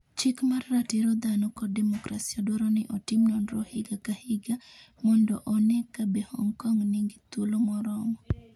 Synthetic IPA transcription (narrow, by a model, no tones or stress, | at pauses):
t͡ʃɪkmarːatiɾɔd̪anɔkɔdemɔkɾasiadwɔɾɔnɪʔɔtɪmnɔndɾɔhɪɡakahɪɡa | mɔndɔʔɔnɛkabehɔ̰ŋkɔŋnɪŋɡɪt̪ulomɔɾɔŋɔ